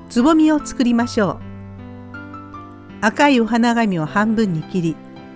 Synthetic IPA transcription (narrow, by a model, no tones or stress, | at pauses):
t͡sɨbo̞mʲio̞t͡sɨ̥kɯ̟ɾʲimaɕo̞ː | akaio̞ɦanaɡamʲiohãmbɯ̟̃ɲ̟ːikʲiɾʲi